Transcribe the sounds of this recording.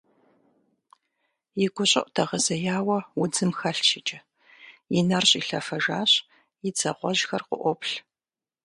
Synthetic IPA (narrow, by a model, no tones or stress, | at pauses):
jɪɡʷʊɕʼɪʔʷʼtʰɐʁəzɐjaːwɐwʊd͡zɨmxɐɬʃʰɪt͡ʃʼɐ | jɪnɐrɕʼiɬɐfɐʒaːɕ | jɪd͡zɐqʷɔʒxɐrqʷʊ̰ʔʷɔpɬ